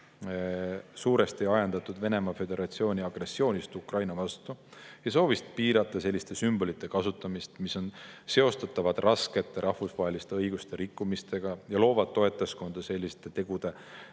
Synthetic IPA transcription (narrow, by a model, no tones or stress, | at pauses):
suːɾe̞st̪iɑjɑnd̪̥ɑt̪ːˑud̪ve̞ne̞mɑfe̞d̪e̞ɾɑt̪sio̞ːnʲiɑɡ̥re̞sːio̞ːnʲist̪ukrɑjnɑvɑst̪ujɑs̬o̞ːvist̪̚piːɾɑt̪ːˑɑse̞lʲːist̪e̞symb̥o̞lit̪ˑːe̞kɑsut̪ːˑɑmist̪miso̞nse̞o̞st̪ɑt̪ːˑɑvɑd̪̥rʔɑske̞t̪ːˑe̞ɾʔɑhfusvɑːɦelʲist̪e̞ɤjɡ̥ust̪e̞ɾikːumist̪e̞ɡ̥ɑjɑlo̞ːvɑd̪̥̚t̪ːo̞e̞t̪ːˑesko̞nd̪̥ɑse̞lʲːist̪e̞t̪e̞ɡ̥ud̪̥e̞